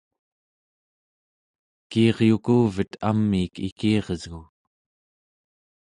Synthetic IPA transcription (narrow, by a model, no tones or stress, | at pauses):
kiɑʁjukuːvət̪ʰamːiːkḭkiːʁəzɣu